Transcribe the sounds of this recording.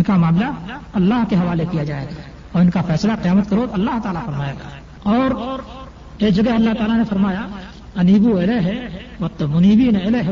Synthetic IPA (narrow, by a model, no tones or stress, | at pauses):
ɪnkamaːmlaɐlːaːɦkeɦɐʋaːlekijad͡ʒaːḛːɡa | ɔːɾɪnkafɛːslaqijaːmət̪̚keɾoːd̪ɐlːaɦt̪aːlafɐɾmaːeːɡaː | ɔːɾ | eːkd͡ʒɐɡɛɦɐlːaɦt̪aːlanefɐɾmaːja | ɐniːbueleɦɛʋɐt̪ːəmʊniːbineeleɦɛ